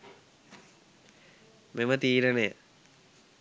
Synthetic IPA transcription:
memət̪iːɾənejə

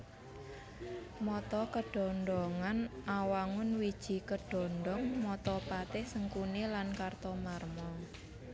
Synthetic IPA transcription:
mɔt̪ɔkəɖ̥ɔ̤nɖɔŋanʔawaŋʊnwid̥ʒ̥i̤kəɖ̥ɔ̤ndɔŋmɔt̪ɔpat̪ɪhsəŋkunilankart̪ɔmarmɔ

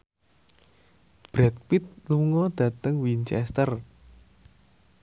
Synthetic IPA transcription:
b̥ɾɛt̪̚pit̪̚luŋɔd̪̥ä̤t̪əŋwint͡ʃɛst̪ər

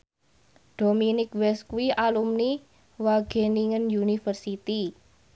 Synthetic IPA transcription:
d̥o̤minɪkwɛskuwiʔalumni | waɡ̥e̤niŋənjunifərsit̪i

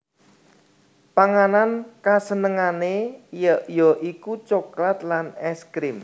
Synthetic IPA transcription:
paŋanankasənəŋanejjɔʔikut͡ʃoklat̪lanɛskɾɪm

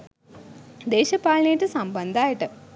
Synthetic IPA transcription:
d̪eːʃɐpaːɭnejiʈːɨsɐmbɐnd̪aːjɐʈːɨ

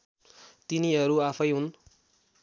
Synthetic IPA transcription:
t̪iniɦʌɾuapʰʌjɦun

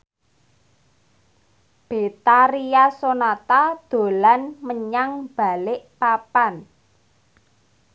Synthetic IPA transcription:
b̥e̤t̪aɾijasonat̪ad̪̥o̤lanməɲaŋb̥a̤lɪʔpapan

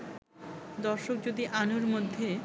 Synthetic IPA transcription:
d̪ɔɾʃok̚d͡ʑod̪iʔanoɾmod̪ʱːe

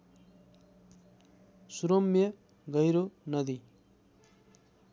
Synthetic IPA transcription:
suɾomːje | ɡʌjɾonʌd̪i

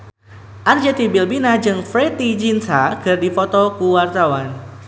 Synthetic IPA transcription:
ʔand͡ʒɛt̪ibilbinad͡ʒɨŋfɾet̪id͡ʒinsakɨrdifɔt̪ɔkuwart̪awan

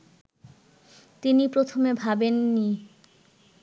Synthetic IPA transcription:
t̪inipɾot̪ʰomebʱabenːi

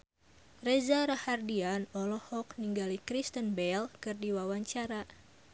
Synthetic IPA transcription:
rezaɾahardianɔlɔhɔk̚niŋɡalikɾist̪ənbɛlkɨrdiwawaɲt͡ʃaɾa

